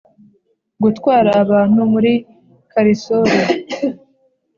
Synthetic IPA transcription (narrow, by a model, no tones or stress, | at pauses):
ɡutkwaːɾaːβaːn̥humuɾi | kaɾisoɾa